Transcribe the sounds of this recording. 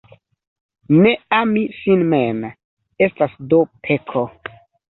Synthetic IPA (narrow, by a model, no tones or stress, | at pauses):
neamisinmem | e̞stasdopʰekʰo